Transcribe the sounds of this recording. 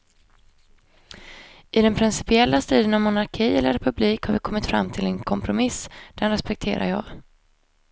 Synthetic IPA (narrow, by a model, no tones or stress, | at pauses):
ʔɪd̪ɛnpʰɾɪnsɪ̥pɪɛlːast̪ɾiːd̪ənavmʊnaɾkʰiːɛlːəɾɛpɵbliːkhaɾvɪkʰɔmːɪt̪fɾa̰mːt̪ʰɪlɛnkʰɔmpʰɾʊmɪsd̪̥ɛnɾɛspɛk̚t̪ʰeːɾa̰ɾjɑ̰ːɡ